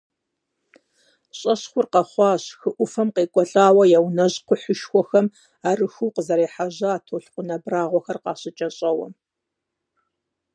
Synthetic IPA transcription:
ɕʼɐɕxʷʊrqɐχʷɑːɕxɨʔʷʊfɐmqeːkʷʼɔɬʼaːwɐjawnɐʑqʷʊħʊʃxʷɔxɐm | aːrɨxɨwqəzɐɾeːħaʑɐːtʰoːɬqʷʊnɐbraːʁʷɔxɐrqɑːɕʼɪt͡ʃʼɐɕʼɐwɐ̰m

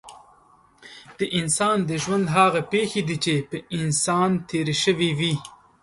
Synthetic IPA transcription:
d̪̥əʔɪnsɑːnd̪əʒwand̪ɦɑːɣapexed̪it͡ʃepəɪnsɑːnt̪ʰeɾeʃəwiwi

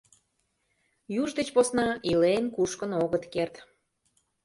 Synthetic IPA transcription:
juʒd̪et͡ɕposnɑilenkuʃkənoɣət̪kert̪

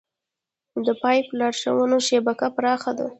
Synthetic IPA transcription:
d̪əpɑjplɑɾʃa̰wənoʃebakapɾɑxad̪a̰

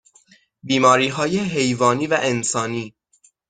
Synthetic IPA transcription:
biːmɒːɾiːɦɒːjeɦe̞jvɒːniːvæʔensɒːniː

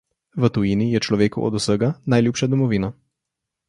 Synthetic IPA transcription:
ʋət̪ujinijɛt͡ʃlɔʋeːkṵʔɔ̰d̪usəɡanajljuːpʃad̪ɔmɔʋiːna

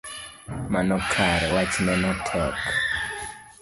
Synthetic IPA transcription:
manɔkʰaɾwat͡ʃinɛnɔtʰɛk

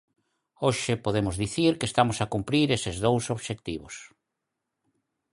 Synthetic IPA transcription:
oʃɪpoðemʊzðiθiɾkest̪amosakumpɾiɾesɪzðowsoβʃek̚t̪iβʊ̰s

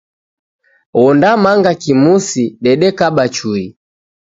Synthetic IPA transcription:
wɔndamaŋɡakimusiɗɛɗɛkaɓat͡ʃui

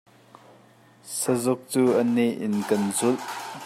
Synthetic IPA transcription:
səzʊk̚t͡suːʔənɛʔɪnkɐnzʊlʔ

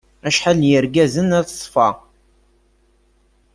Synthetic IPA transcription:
æʃħaljəɾɡæzənæθə̥sˤfɑ̰

